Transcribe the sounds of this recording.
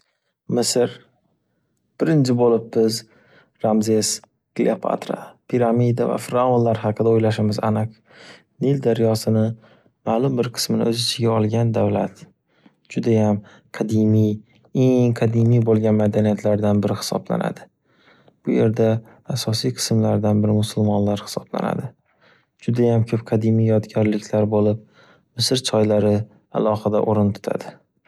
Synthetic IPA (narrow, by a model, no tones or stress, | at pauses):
mɪsɾ | b̥ɪɾɪnt͡ʃʰɪbolɪp̚bɪz | ɾamzes | ɡ̥lḭopʰa̰t̪ɾa̰pʰiɾamid̪ava̰fɾaonlaɾɦɑqʰɨd̪aojlaʃɪmɪzanɨq | nild̪aɾijɒsɪnɪ | maːlˠʊmbɪɾqʰɨ̥smɪnɪ̰ɵzɪt͡ʃʰɪɡʲaɒlˠɡʲand̪avlat̪ | d͡ʒʊd̪ajam | qʰɑd̪imij | eŋqʰɑd̪ɪmijbolˠɡʲanmad̪anijat̪ʰlaɾd̪anbɪɾɪhɪ̥sɒ̰bla̰na̰d̪ɪ | b̥ʊje̞ɾd̪aː | sɒsijqʰɨ̥smlaɾd̪anbɪɾɪmʊsʊlˠmɒnlaɾhɪ̥sɒbla̰na̰d̪ɪ | d͡ʒʊd̪ajamkʲʰɵp̚qʰɑd̪ɪmijjɒt̪ɡʲɒɾlɪkʲʰlaɾbolɪp̚ | mɪsɪɾt͡ʃʰɒjlaɾɪ | a̰lˠɒhɨd̪a̰ʔoɾɪnt̪ʰʊ̥t̪ʰa̰d̪̥ɪ